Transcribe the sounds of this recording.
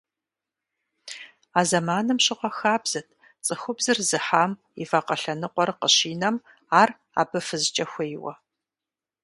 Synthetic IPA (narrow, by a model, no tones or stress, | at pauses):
aːzɐmaːnɨmɕʼɪqɐxaːbz̥ɐtʰ | t͡sʼɨxʷʊbzɨrzɨħaːm | ḭfaqɐɬɐnɨqʷʼɔrqəɕiːnɐm | aːr | a̰ːbɨfɨzt͡ʃʼɐxʷejwɐ̰